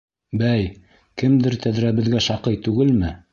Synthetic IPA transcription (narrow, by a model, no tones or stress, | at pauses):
bæj | kɘmd̪ɘɾt̪æðɾæβɘ̆ðɡæʃɑqɤjt̪ʉɡɘlmɘ